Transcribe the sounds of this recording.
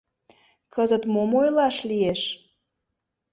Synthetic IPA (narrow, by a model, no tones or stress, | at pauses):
kəzət̪momojlɑʃlieʃ